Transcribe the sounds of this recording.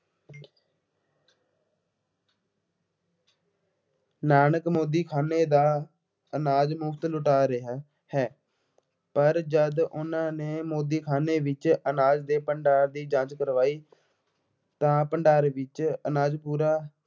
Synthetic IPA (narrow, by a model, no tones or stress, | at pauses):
naːnəkmoːd̪iːkʰaːneːd̪aː | ənaːd͡ʒmʊkʰt̪lʊʈaːɾeɦa | hɛː | pəɾd͡ʒəd̪ʊnãːneːmoːd̪iːkʰaːneːʋɪt͡ʃənaːd͡ʒd̪eːpəɳɖaːɾd̪iːd͡ʒãːt͡ʃkəɾʋaːiː | t̪ãːpəɳɖaːɾʋɪt͡ʃənaːd͡ʒpuːɾaː